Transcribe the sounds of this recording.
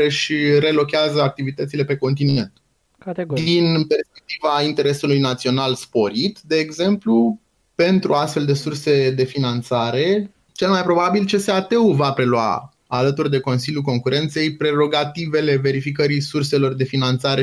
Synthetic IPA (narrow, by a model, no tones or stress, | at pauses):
eʃiɾe̞lo̞kʲeazəak̚t̪ivit̪ət̪sile̞pe̞ko̞nt̪̬ine̞nt̪ | d̪inpe̞rspe̞k̚t̪ivaint̪e̞ɾe̞sulujnat̪sio̞nalspo̞ɾit̪d̪e̞ːɡze̞mplu | pe̞nt̪ɾuast̪fe̞ld̪e̞surse̞d̪e̞finant̪saɾe̞ | t͡ʃe̞lmajpɾo̞babilt͡ʃe̞seat̪e̞uvapɾe̞lua̰ | alət̪urʲd̪e̞ko̞nsiljulko̞ŋkuɾe̞nt̪se̞jpɾe̞ɾo̞ɡat̪ive̞le̞ve̞ɾifik̬əɾisurse̞lo̞rd̪e̞finant̪saɾe